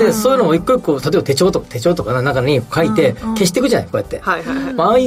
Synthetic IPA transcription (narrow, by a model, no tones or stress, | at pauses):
e̞soːjiɯnooikːɯɾikoːt̪at̪oebat̪e̞t͡ɕo̞ːt̪o̞kḁt̪e̞t͡ɕo̞ːt̪o̞kananakaɲ̟ikkait̪e̞ke̞ɕi̥t̪ekɯ̟ʑana̰jko̞ːjat̪ːe̞ma